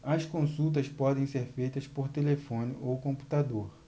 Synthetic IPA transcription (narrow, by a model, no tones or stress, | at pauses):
ɐskõsut̪̬ɐspɔd̪ẽj̃seɾfejt̪ɐspoɾt̪elefõnɪʔowkõmpu̥t̪ad̪oɾ